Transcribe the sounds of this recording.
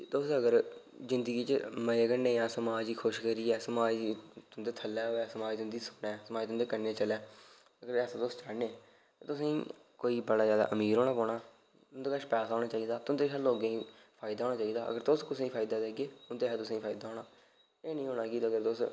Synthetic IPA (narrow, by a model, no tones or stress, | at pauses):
t̪ʊsəɡəɾzɪnd̪əɡiːt͡ʃəməɡənːẽːjãːsəmaːd͡ʒiːkʰʊʃkəɾiːɛːsəmaːd͡ʒit̪ʊnd̪eːt̪ʰəlːɛːoːɛːsəmaːd͡ʒit̪ʊnd̪iːsʊ̥nɛːsəmaːiːt̪ʊnːd̪eːkənːeːt͡ʃəlɛː | əɡəɾɛːsãːt̪ʊst͡ʃanẽː | t̪aːt̪ʊsãĩː | koːiːbəɽaːzjaːd̪a̰ːʔəmiːɾɦoːɳaːpɔːɳaː | ʊnd̪eːkəʃpɛːsaːɦoːɽ̃aːt͡ʃaːiːd̪aːt̪ʊnd̪eːʃʰaːloːɡẽːĩː | pʰaːɪd̪aːɦːnaːt͡ʃaːiːd̪aːə̰ɡəɾt̪ʊskʊsiːpʰaːɪd̪aːd̪eːɡeːʊnt̪eːɦɛːt̪ʊsãːĩːpʰaːid̪aːɦoːɳaː | eːnəĩːɦoːnaːkiːt̪ːəɡəɾt̪ʊs